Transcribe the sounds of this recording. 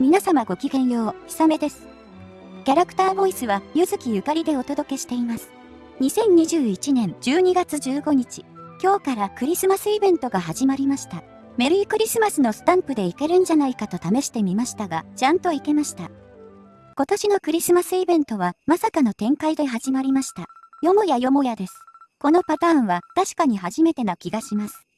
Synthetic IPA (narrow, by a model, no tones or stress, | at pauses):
mʲinasamaɡo̞kʲiɡẽ̞ɰ̃jo̞ːçʲi̥same̞d̪e̞sɨ̥ | kʲaɾakɯ̥t̪aːbo̞isɨβajɯzɨkʲijɯ̟kaɾʲid̪e̞o̞t̪o̞d̪o̞ke̞ɕi̥t̪e̞imasɨ̥ | ɲ̟isẽ̞ɲ̟ɲiʑɨːit͡ɕinẽ̞ɲd͡ʑɨːɲ̟iɡat͡sɨd͡ʑɨːɡo̞ɲ̟it͡ɕi̥kʲo̞ːkaɾakɯ̟ɾʲisɨmasɨibẽ̞nt̪o̞ɡaɦaʑimaɾʲimaɕi̥t̪a | me̞ɾɯ̟ikɯ̟ɾʲisɨmasɨno̞sɨ̥t̪ãmpɯ̟d̪e̞ike̞ɾɯ̟̃n̟d͡ʑanaikat̪o̞t̪ame̞ɕi̥t̪e̞mʲimaɕi̥t̪aɡat͡ɕãnt̪o̞ike̞maɕi̥t̪a | ko̞t̪o̞ɕino̞kɯ̟ɾʲisɨmasɨibẽ̞nt̪o̞β̞amasakano̞t̪ẽ̞ŋkaid̪e̞ɦaʑimaɾʲimaɕi̥t̪ajo̞mo̞jajo̞mo̞jad̪e̞sɨ̥ko̞no̞pat̪ãːɰ̃βat̪aɕi̥kaɲ̟iɦaʑime̞t̪e̞no̞kʲiɡaɕimasɨ̥